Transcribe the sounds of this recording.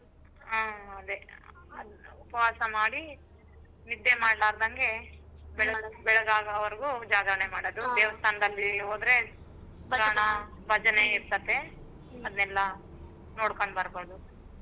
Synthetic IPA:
aːɐd̪e | ɐupɐʋaːsɐmaːɽi | nid̪ːemaːɖlaːɾd̪ɐŋɡe̞bɛɭɐbɛɭɐɡaːɡɐːʋɐɾɡuːd͡ʒaːɡɐɾɳemaːɽod̪ud̪eːʋɐst̪ʰaːnɐd̪ɐlːioːd̪ɾe̞ | pɾaːɳɐ | bɐd͡ʒɐneiɾt̪ɐt̪ːe̞ | ɐd̪ɐnɛlːɐ | noːɽkoɳɖbɐɾboːd̪u

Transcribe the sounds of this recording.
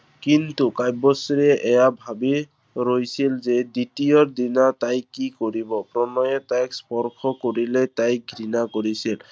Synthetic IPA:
kintukajbɔsɾɛʔɛjabʱabi | ɾojsilzed̪itiɔɹd̪inatajkːikoɹibɔpɹɔnɔjɛtajkspɔɹkʰɔkoɹilɛtaj̚ɡʱɾinakoɹisil

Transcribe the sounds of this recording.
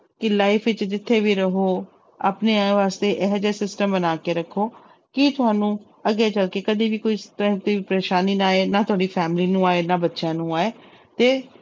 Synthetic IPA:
kɪlaːipʰʋɪt͡ʃd͡ʒɪt̪ʰːeːʋiːɾəɦoː | a̰ːpneːaʋaːst̪eːʔɛɦd͡ʒeːsɪsʈəmbənaːkeːɾəkʰːoː | kiːt̪ʊɦaːnũː | əɡːeːt͡ʃəlkeːkəd̪iːʋiːkoːiːst̪ə̃t̪iːpəɾeːʃaːniːnaːeːnaːt̪ʊaːɽiːpʰɛːmɪliːnũːaːeːnaːbətːʃãːnũːaːeː | t̪eː

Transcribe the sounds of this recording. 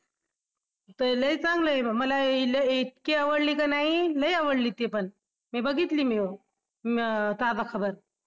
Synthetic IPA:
t̪ələit͡saŋɡləebaməlailəet̪kiəʋəɽliːkanaɦiləiaʋəɽliːt̪epəɳ | mibəɡit̪liːmeo | t̪ad͡zakʰəbəɾ

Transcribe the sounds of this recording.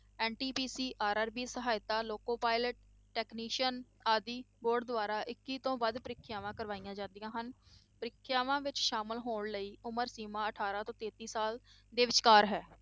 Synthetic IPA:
ɛːnʈiːpiːsiːʔaːɾaːɾbiːsəɦaːɪt̪aːloːkoːpaːɪləʈ̚ː | ɛːkniːʃən | aːd̪iːboːɖd̪ʊaːɾaːʔɪkːiːt̪õːʋəd̪pəɾɪkʰːjaːʋãːkəɾʋaːijãːd͡ʒãːnd̪ijãːɦənpəɾɪkʰːjaːʋãːʋɪt͡ʃʃaːməlɦoːɳləiːʔʊməɾsiːmãːəʈʰaːɾãːt̪õːt̪eːt̪iːsaːl | d̪eːʋɪt͡ʃkaːɾɦɛː

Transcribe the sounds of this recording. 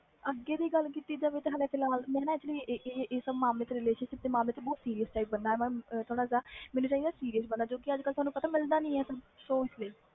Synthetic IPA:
əɡːeːd̪iːɡəlkiːt̪iːd͡ʒaːʋeːt̪eɦəleːpʰɪlaːlmɛ̃ːnãɛt͡ʃliːeːeːsəbmaːmleːt̪eːɾɪleːʃənʃɪp̚d̪eːmaːmleːt̪eːbɔːt̪siːɾiːəst͡ʃaːibənd̪aːɛːmɛ̃ːt̪ʰoːɽ̃aːsaːmɛːnũːt͡ʃaːiːd̪aːsiːɾijəs̬bənd̪aːd͡ʒoːkɪəd͡ʒkəlt̪ʊaːnũpət̪aːmɪld̪aːnĩːɛːsəbʃoːɪsleː

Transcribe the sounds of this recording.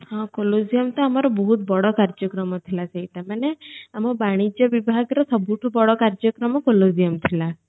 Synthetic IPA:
ɦãkolozijəmt̪ɔamaɾɔbəɦut̪̚bɔɽɔkaɾd͡ʒəkɾɔmɔt̪ʰilat͡ʃʰeiʈ̪emaneamɔbaɽ̃id͡ʒəʋibʱaɡɾɔsəbʱuʈʰubɔɽɔkaɾd͡ʒəkɾɔmɔkolozijəmt̪ʰila

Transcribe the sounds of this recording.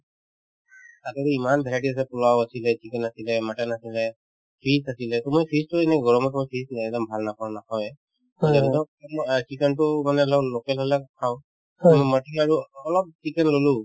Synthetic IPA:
ataɾiimanbʱɛlaʈias̬ɛpulawasilɛt͡ʃikɛnasilɛmaʈɛnasilɛ | pʰisasilɛt̪ɔmɔjpʰistuɛnɛɡɔɹɔmɔtmɔjpʰisnɛdɔmbʱalnapʰɔɹnakʰawɛ | ɛdɔ | mt͡ʃikɛntʊmanɛlɔlokɛlɦɔlɛkʰaʊ̃ | mɔmaʈiaɹuɔlɔp̚t͡ʃikɛnlolu

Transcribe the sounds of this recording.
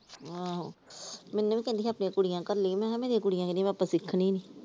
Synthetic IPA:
a | mɛ̃ːnːuːʋĩːkɛ̃ːnd̪iːɦaːpnĩãkʊɽijãːkəɾlimɛ̃ːmeːɾijãːkʊɽijãːkɛ̃nd̪ĩj̃ãmɛaːpãsɪkʰːniːniː

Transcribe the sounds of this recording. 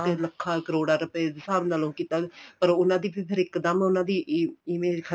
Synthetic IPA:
eləkʰːaːkəɾoːɽaːɾəpeːd̪saːɾnaːlõːkiːt̪aːpəɾʊnãːd̪iːpiːpʰɪɾɪkd̪əmʊnãːd̪iːʔimẽːd͡ʒkʰə

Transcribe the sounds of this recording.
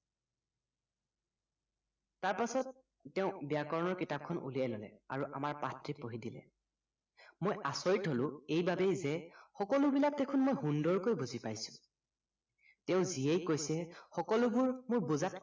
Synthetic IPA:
taɹpasɔt̚ː | ɛʊ̃bijakɔɹɔnɔɹkitap̚kʰɔnʔṵlijajlolɛ̰aɹuʔamaɹpatɹipoɦidilɛ̰ | mojʔasoɹitɦolʊ̃ejbabejzɛxɔkɔlʊbilak̚tekʰunmojɦundɔɹkojbuzipajsʊ̥̃ | tɛʊ̃ziejkojsɛxɔkɔlʊbʊɹmʊɹbuzat

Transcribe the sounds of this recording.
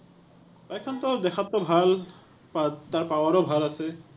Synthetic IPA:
bajkʰɔnt̪ɔd̪ɛkʰat̪ːɔbʱal | at̪aɹpawaɾɔbʱalase

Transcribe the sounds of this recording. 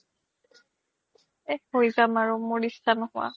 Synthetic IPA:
ehojzamaɹumoɹistʰanhʊwa̰

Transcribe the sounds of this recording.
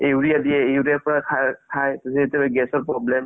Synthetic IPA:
euɹijadijɛeuɹijapɔɹakʰakʰajtasietɛbɛɡɛsɔɹpɹɔblɛm

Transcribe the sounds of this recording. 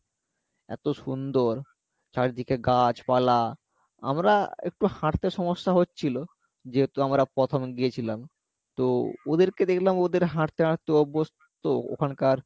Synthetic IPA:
ɛ̰t̪oʃund̪oɾ | t͡ɕaɾd̪ʱikeɡat͡ɕpala | a̰mɾaḛk̚ʈuhaʈt̪eʃɔmoʃːaɦotːɕʰilo | d͡ʑeɦet̪uamɾapɾɔt̪ʰomɡijet͡ɕʰilam | t̪ood̪eɾked̪ekʰlamod̪eɾɦaʈt̪eɦaʈt̪eɔbːostt̪oo̰kʰankaɾ

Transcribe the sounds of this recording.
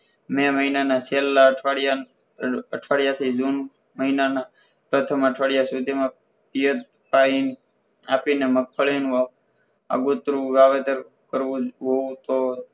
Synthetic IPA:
meməɦinanaselːaəʈʰaɽja | əʈʰʋaɽjat̪ʰid͡ʒun | məɦinana | pɾət̪ʰəməʈʰʋaɽjasud̪ʱimã | pijət̪̚ | pain | apinemək̚fʰəɭinũa | a̰ɡut̪ɾũɾaʋet̪əɾ | kəɾʋũɦout̪o

